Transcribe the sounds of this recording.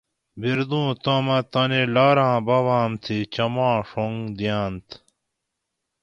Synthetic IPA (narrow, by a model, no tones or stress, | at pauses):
biɾd̪ũːt̪oːmɐt̪ɐnelaːɾãːbɐwaːmt̪ʰit͡ɕɐmãːʂoŋɡd̪ijaːnt̪